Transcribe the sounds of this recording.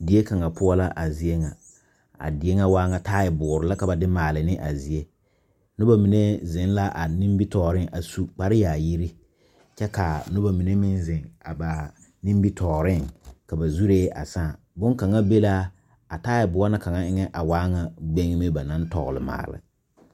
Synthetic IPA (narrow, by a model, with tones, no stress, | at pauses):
di˨e˦ka˨ŋa˨pʊ˦a˦la˦ʔa˨zi˨e˦ŋa˨ | a̰˨dɪ˨e˦ŋa˦waː˦ŋa˨taː˦jɪ˨bʊ˨ʊ˨ɾɪ˨la˦ka˨ba˨dɪ˦maː˨lɪ˨nɪ˦ʔa˨zi˨e˦ | nʊ˦ba˦mi˨ne˦zɪ˨˦n˦la˦ʔa˨ni˦m˦bi˦tɔː˨ɾɪ˦ŋʔa˨su˦k͡pa˨ɾɪ˦jaː˨ji˦ɾi˦ | t͡ʃɛ˦ka˨nʊ˦ba˨mi˨ne˦mɪ˦nzɪ˨ŋa̰˨ba˨ | nĩ˦mbi˦tʰɔː˨ɾɪ˦˨ŋka˨ba˨zu˦ɾeː˦a̰˨saː˦˨ | bʊ˦ŋka˨ŋa˦be˦la˦ | a˨taː˦jɪ˨bʊ˨a˦na˦ka˨ŋa˨ɪ˦ŋɛ˦ʔa˨waː˦ŋa˨ɡ͡be˦ŋ˦mɪ˦ba˨na˦n˦tɔ̰˨ɣʊ˨lɪ̰˨ma̰ː˨lɪ̰˨